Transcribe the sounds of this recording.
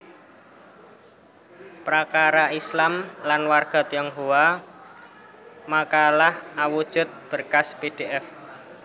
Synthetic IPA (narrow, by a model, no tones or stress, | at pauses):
pɾakaɾaislamlanwarɡ̥a̤t̪jɔŋɦowa | makalahawud̥ʒ̥ʊ̤t̪̚b̥ə̤rkasped̥eʔɛf